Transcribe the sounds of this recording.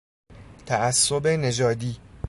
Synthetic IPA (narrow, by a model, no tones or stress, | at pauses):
t̪ʰææsːobene̞d͡ʒɒːd̪iː